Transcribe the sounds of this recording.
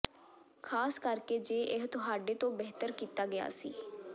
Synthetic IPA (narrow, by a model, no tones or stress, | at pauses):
kʰaːskəɾkeːd͡ʒeːʔɪɦt̪ʊɦaːɖeːt̪õːbeɦt̪əɾkiːt̪aːɡɪja̰ːsḭː